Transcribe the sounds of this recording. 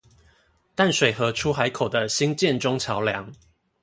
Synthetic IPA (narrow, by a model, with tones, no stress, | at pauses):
t̪a˥˨nʂwe˨˩ɪxɤ˨˦ʈ͡ʂʰu˦xa˧˦ɪkʰo˨˩ʊd̪ə˦ɕi˦ŋt͡ɕjɛ˥˨nʈ͡ʂʊ˦ŋt͡ɕʰjɑ˨˦ʊljɑ˧˦ŋ